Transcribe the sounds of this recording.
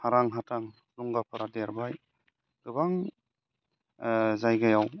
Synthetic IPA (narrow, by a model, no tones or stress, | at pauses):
haɾaŋɦataŋ | nuŋɡapʰaɾadeɾbaj | ɡ̥ɯbaŋ | zajɡajaw